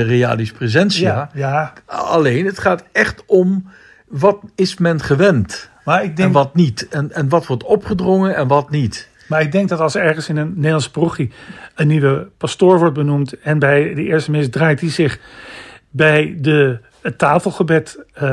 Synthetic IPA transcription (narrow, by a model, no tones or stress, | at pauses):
rea̰ːlisprezɛnsiajaa̰lejnətχaːtɛχtɔm | ʋɑtɪsmɛnχəʋɛnt | maːɹɪɡ̚dɛŋʋɑtnitɛnɛnʋɑtʋɔɹtɔpχədrɔŋənɛnʋɑtnit | maːɹɪɡ̚dɛŋk̚dɑtɑlˠsəɛɹχənsɪnənːeːlɑnsə̥pruχiənːiʋəpastoːɹʋɔɹt̚bənumtɛnbɛjdəɪːɹstəmɪsdraːjt̚izɪχ | bɛjdə | tːaːfəlˠχəbɛt